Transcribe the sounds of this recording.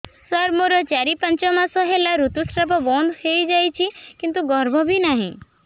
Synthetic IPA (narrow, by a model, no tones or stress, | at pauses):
səɾmoɾɔt͡ʃaɾipəɲt͡ʃɔmãsɔɦelːaɾut̪usʈɾəpɔbɔ̃nd̪ʱheid͡ʒajt͡ʃʰikɪ̃nt̪uɡɔɾbʱɔbʱinaɦḭ̃